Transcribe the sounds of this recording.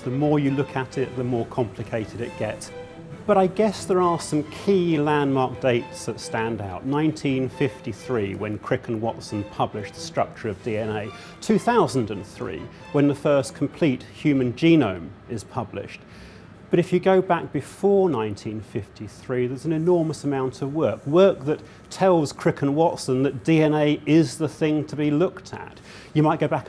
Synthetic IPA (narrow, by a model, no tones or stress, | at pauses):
ðəmɔɹjɨlʊkʰəɾɪʔ̪̚ðəmɔɹkʰɑ̃mpʰl̥ɨkʰeɪɾɨɾɨt̚ɡ̥ɛts | b̥ʌɾaɪɡɛsðə˞əsʌ̃mkʰilæ̃nmɑɹk̚d̥eɪtsðətstæ̃ndaʊʔⁿnãɪ̃ntʰĩnfɪftiθɹiwɨ̃nkʰɹ̥ɪkə̃nwɒtsə̃npʰʌblɪʃðəstɹ̥ʌk̚t͡ʃə˞ʌvdiɛ̃neɪ | tʰʉθaʊzə̃n̩dɨ̃nθɹḭː | wə̃nðəfɜˑ˞skʰm̩pʰl̥it̚hjʉmɨ̃nd͡ʒĩnə̰̃ʊ̃mɪz̥pʰʌblɪ̰ʃt̚ | b̥ʌɾɨfjɨɡəʊbæk̚b̥ɨfɔɹnãɪ̃ntʰĩnfɪftiθɹiðə˞zn̩ɨnɔɹməsəmãʊ̃ntʰʌvwɜˑ˞kwɜˑ˞k̚ðɨtʰ | ɛlˠz̥kʰɹ̥ɪkʰə̃nwɑtsə̃nðɨt̚d̥iɛneɪɪzðəθɪ̃ŋtʰəbilʊktʰə̰t͡ʃ | ɨmaɪʔ̚ɡ̥oʊbæk